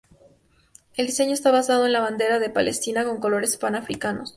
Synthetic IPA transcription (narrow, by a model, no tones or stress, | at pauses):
e̞ld̪ise̞ɲo̞e̞st̪aβasaðo̞e̞nlaβand̪e̞ɾaðe̞pale̞st̪inako̞ŋko̞lo̞ɾe̞spanafɾikano̞s